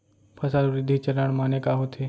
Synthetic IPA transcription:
pʰɐsaːlʋɾɪd̪ʱːit͡ʃələɳ̃maːnekaɦot̪ʰe

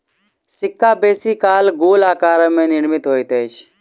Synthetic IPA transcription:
sɪkːaːbeːsiːkaːlɡoːlaːkaːɾəmẽːnɪɾmɪt̪ɦoːit̪eːʃ

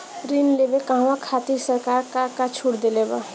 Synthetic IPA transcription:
ɾinlebekaɦwãkʰaːt̪iɾsəɾkaːɾkakat͡ʃʰuɽd̪eleba̰

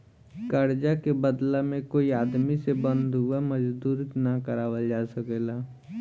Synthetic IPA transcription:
kəɾd͡ʒakebəd̪lamẽkoːiaːd̪misebə̃nd̪ɦʊeməd͡ʒd̪uːɾnakəɾaːwəld͡ʒaːsəkeːlaː

